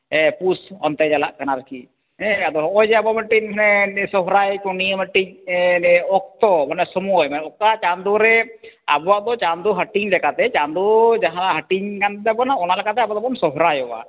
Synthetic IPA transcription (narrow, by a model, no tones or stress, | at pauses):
ɛpusɔnt̪ɛd͡ʒalaʔkanaɾaki | ɛ̃ad̪ɔɦɔɔjd͡ʒɛabɔməʈiɲmanɛsɔɦɾajkɔnijəməʈiɲɛɔk̚t̪ɔmanɛsɔmuɔjmanɛɔkat͡ʃand̪uɾɛa̰bɔwaʔd̪ɔt͡ʃand̪uɦəʈiɲlɛkat̪ɛt͡ʃand̪ud͡ʒaɦãlaɦəʈiɲkant̪d̪ɛbɔnaɔnalɛkʰat̪̬ɛabɔd̪ɔbɔnsɔɦɾajɔwa̰